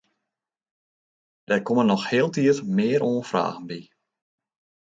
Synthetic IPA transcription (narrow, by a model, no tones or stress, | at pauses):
d̥ɛrkɔmənːɔxhɪəlˠtiətmɪːəɾoːnfra̰ːɣənbi